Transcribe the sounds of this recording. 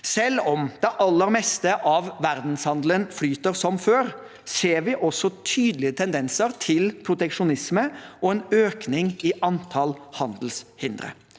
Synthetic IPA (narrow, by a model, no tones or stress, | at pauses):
sɛlːɔmd̪̥ɛʔɑlːəɾmɛst̪əʔɑʋʋæɾd̪n̩shɑnd̪lənflyːt̪əɾsɔmføːɾ | seːɾʋɪʔɔsːɔt̪ʰyːd̪əlɪət̪ʰɛnd̪ɛnsəɾt̪ʰɪlpʰɾʊt̪ɛkʂʊnɪsməɔɛnøːknɪŋɪʔɑnt̪ʰɑlhɑnd̪l̩shɪnd̪ɾə̰